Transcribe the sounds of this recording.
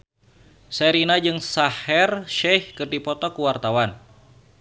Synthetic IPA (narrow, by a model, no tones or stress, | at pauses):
seɾinad͡ʒɨŋsahɛrʃɛhkɨrdipɔt̪ɔkuwart̪awan